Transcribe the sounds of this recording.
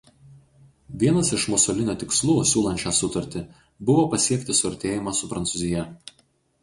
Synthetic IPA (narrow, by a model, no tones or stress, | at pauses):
ʋʲiɛnɐsɪʃmʊsɔlʲɪnʲoːt̪ʲɪkslˠuːsʲuːlˠɐnʲt͡ʃʲæsʊt̪ɐɾʲt̪ʲɪ | bʊʋoːpɐsʲiɛkt̪ʲɪsʊɐɾʲt̪ʲeːjɪmɑsʊpɾɐnt̪ʊzʲɪjɛ